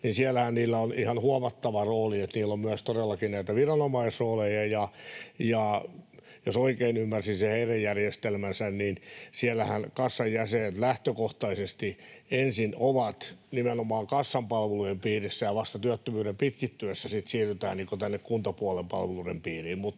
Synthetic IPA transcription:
ninsiælːæhænniːlːæonihɑnhuɑmɑt̪ːɑʋɑroːliet̪niːlːommyæst̪odelːɑkinnæit̪æʋirɑnomɑisoːlejɑjɑjɑ | josoikeinymːærsinseheirejjærjest̪elmænsænninsiɛlːæhænkɑsːɑjːæseːt̪læht̪økoht̪ɑisest̪iensinoʋɑt̪nimenomɑːŋkɑsːɑmpɑlʋelujempiːrisːæjɑʋɑst̪ɑt̪yæt̪ːømyːɾempit̪kit̪ːyøsːæsit̪siːryt̪æ̰ːnniːŋkot̪ænːekkunt̪ɑpuɑlempɑ̰lʋelurempiːriːmmut̪

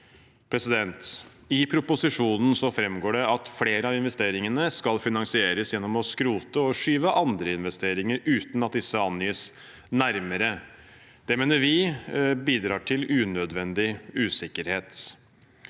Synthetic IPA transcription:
pʰɾɛsɪd̪ɛnt̪ | ɪpʰɾʊpʊsɪʂuːnn̩sɔfɾɛmɡoːɖɛɑt̪fleːɾəɑʋɪnʋɛst̪eːɾɪŋənəskɑlfɪnɑŋsɪeːɾəsjɛnːɔmɔskɾuːt̪əɔʂyːʋəʔɑnd̪ɾəɪnʋɛst̪eːɾɪŋəɾʉːt̪nɑt̪̚d̪ɪsːəɑnːyːəs | næɾməɾə | d̪̥ɛmeːnəɾʋɪbiːd̪ɾɑːʈʰɪlʉːnœd̪ʋɛnd̪ɪʉːsɪkːəɾheːt̪

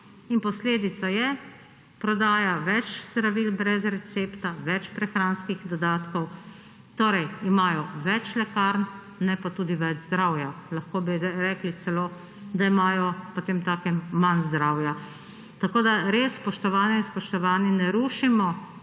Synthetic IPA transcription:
inpɔsleːd̪it̪sajɛ | pɾɔd̪aːjaʋɛt͡ʃzd̪ɾaʋilbɾɛzɾɛt̪seːpt̪aʋɛt͡ʃpɾɛxɾaːnskixd̪ɔd̪aːt̪kɔw | t̪oːɾɛjimaːjɔʋɛt͡ʃlɛkaɾn | nɛpat̪uːd̪iʋɛd͡ʒzd̪ɾaːwjalaxkoːbiɾɛɾɛklit̪sɛloː | d̪aimaːjɔpot̪eːmt̪aːkɛmːanzd̪ɾaːwja | t̪akoːd̪aɾeːsːpɔʃt̪ɔʋaːnjɛinspɔʃt̪ɔʋaːninɛɾuːʃimɔ

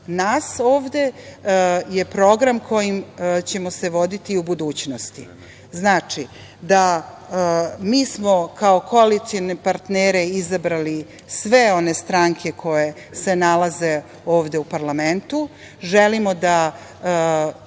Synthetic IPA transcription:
naːso̞ːʋd̪e̞ | je̞pɾo̞ɡɾamkʰo̞jimt͡ɕe̞mo̞se̞ʋo̞d̪it̪iubud̪uːt͡ɕnost̪ḭ | znaːt͡ʃi | d̪a | miːsmo̞kao̞koalit̪sionepaɾt̪neːɾeizabɾali | sʋe̞o̞ne̞st̪ɾaŋkʰe̞kʰo̞je̞ | se̞nalaze̞ | o̞ːʋd̪eupaɾlame̞nt̪u | ʒelimo̞d̪a

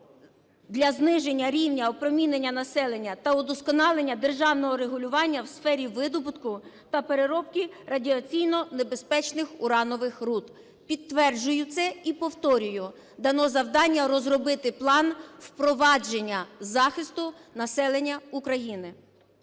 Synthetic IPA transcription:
d̪lʲɐznɪʒe̞nʲːɐɾʲiwnʲɐɔpɾɔmʲinenʲːɐnɐsɛlˠe̞nʲːɐt̪ɐʊd̪ɔskɔnɑlˠenʲːɐd̪e̞rʒɑwnɔɦɔɾeɦʊlʲʊʋɑnʲːɐwsfɛɾʲiʋɪd̪ɔbʊt̪kʊ | t̪ɐpeɾeɾɔpkʲiɾɐdʲiɐt͡sʲijnɔnebe̞spɛt͡ʃnɪxʊɾɑnɔʋɪxrut̪ | pʲit̪t̪ːʋɛrd͡ʒʊjʊt̪sɛipɔwt̪ɔɾʲʊjʊ | d̪ɐnɔzɐwd̪ɑnʲːɐɾɔzrɔbɪt̪ɪplˠɑnwpɾɔʋɑd͡ʒenʲːɐzɑxɪst̪ʊnɐsɛlˠe̞nʲːɐukɾɐjinɪ

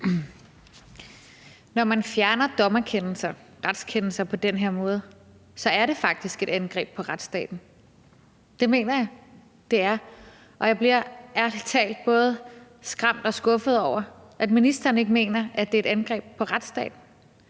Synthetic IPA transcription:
nɒmænfjæɐnɐd̥ɒ̽mɐkʰenl̩sɐ | ʁad̥skʰenl̩sɐpʰɒ̽d̥enɦe̝ɐ̰mɔ̽ːð̞̩ˠ | sɒ̽æɐɾe̝fɑ̈ɡ̥̚d̥isɡ̥e̝ɾ̥ænɡ̥ʁɛ̰ːb̥̚pʰɒ̽ʁad̥sd̥ɛ̰ːd̥n̩ | d̥e̝me̝̰ːnɐjɑ̈ɪ | d̥e̝æɐ | ʔɒ̽jɑ̈ɪb̥liɐ̰æɐlt͡sʰɛ̰ːld̥̚b̥ɔ̽ːð̞̩ˠ | sɡ̥ʁɑm̰d̥ɒ̽sɡ̥ɔ̽fð̞̩ˠɒʊ̰ɐʔæd̥minisd̥ɐɐːn̩e̝ɡ̥me̝̰ːnɐʔæd̥e̝e̝ɾ̥ænɡ̥ʁɛ̰ːb̥̚pʰɒ̽ʁad̥sd̥ɛ̰ːd̥n̩

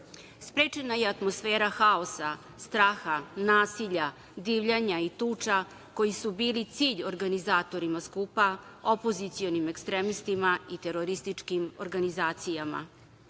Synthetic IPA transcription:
spɾeːt͡ʃenajeat̪mosfeːɾaxao̞sa | st̪ɾaːxanaːsiʎa | d̪iːʋʎaɲait̪uːt͡ʂa | ko̞jisubiːlit̪siːʎoɾɡanizaːt̪o̞ɾimaskupaopo̞zit̪sio̞nimekst̪ɾemist̪imait̪e̞ɾo̞ɾist̪it͡ʂkimoɾɡanizaːt̪sijama̰

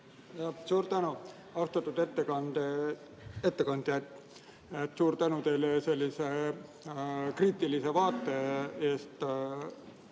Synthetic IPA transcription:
jɑsuːɾt̪ænu | ɑwst̪ɑt̪ːˑud̪̥et̪ːekɑnd̪e | et̪ːekɑnd̪̥jɑt̪ːˑ | et̪ːˑsuːɾt̪ænut̪e̞jlese̞lʲːise | kriːt̪ːˑilise̞vɑːt̪ːˑe̞e̞ːst̪

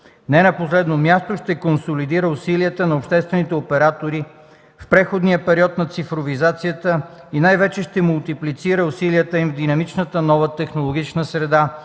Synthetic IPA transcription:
nɛnɐposlɛd̪nomjast̪oʃt̪ɛkonsolid̪iɾəʊsiliət̪ənɐopʃt̪ɛst̪vɛnit̪ɛopɛɾat̪oɾi | fpɾɛxod̪nijəpɛɾiɔt̪nɐt̪sifɾovizat̪sijət̪ə | inajvɛt͡ʃɛʃt̪ɛmʊlˠt̪iplit̪siɾəʊsiliət̪əimvd̪inɐmit͡ʃnət̪ənɔvət̪ɛxnolˠoɡ̟ʲit͡ʃnəsɾɛd̪a

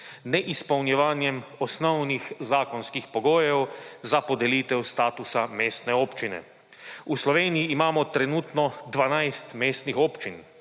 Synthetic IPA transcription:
nɛʔispɐwnjɛʋaːnjɛmɔsnɔwnixzaːkɔnskixpɔɡoːjɛwzapɔd̪ɛliːt̪ɛwst̪aːt̪usameːst̪nɛoːpt͡ʃinɛ̰ | uslɔʋeːnijiːmaːmɔt̪ɾɛnuːt̪nɔd̪ʋanajst̪meːst̪nixoːpt͡ʃin

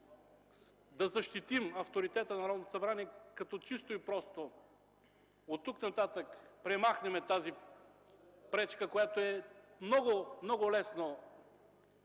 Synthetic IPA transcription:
d̪ɐzɐʃt̪it̪imɐft̪oɾit̪ɛt̪ənɐɾɔd̪not̪osɐbɾaniɛkɐt̪ɔt͡ʃist̪oipɾɔst̪o | ot̪ːuknɐt̪at̪əkpɾɛmaxnɛmɛt̪azi | pɾɛt͡ʃkəkojat̪oɛmnɔɡʊmnɔɡʊlɛsno

